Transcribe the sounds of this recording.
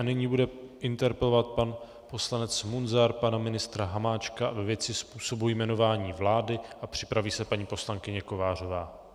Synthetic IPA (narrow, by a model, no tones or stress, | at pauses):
anɪɲiːbudɛʔɪnt̪ɛɾpɛlovat̪̚pan | po̞slanɛt͡smunzaɾpanamɪnɪst̪ɾaɦamaːt͡ʃkavɛvjɛt͡sɪspuːso̞bujmɛno̞vaːɲiːvlaːdɪʔapr̝̥ɪpɾaviːsɛpaɲiːpo̞slaŋkɪɲɛko̞vaːr̝o̞vaː